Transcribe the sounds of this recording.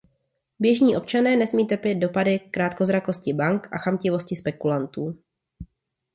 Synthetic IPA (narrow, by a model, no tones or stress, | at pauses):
bjɛʒɲiːʔo̞p̚t͡ʃanɛːnɛsmiːt̪rpjɛd̪̚do̞padɪkɾaːt̪̚ko̞zɾako̞scɪbaŋkʔa̰xamcɪvo̞scɪspɛkulant̪uː